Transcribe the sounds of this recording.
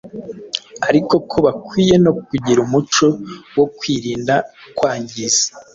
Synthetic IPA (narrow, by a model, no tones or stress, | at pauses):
aɾiko̞kʰo̞βakwiːje̞no̞kuɟiɾumut͡ʃo̞wokwiːɾiːndakwaːɲɟize̥